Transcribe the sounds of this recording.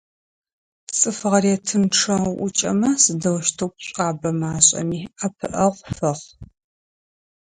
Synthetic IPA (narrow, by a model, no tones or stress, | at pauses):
t͡sʼɨfɨʁɐrɛtʰɨmʈ͡ʂʰɐʔʷʊ̰t͡ʃʼɐ̰mɐsɨdɐwʃtʰɐwpɕʼaːbɐmaːɕʼɐ̰miːʔɐpʰɨʔɐʁʷfɐʁ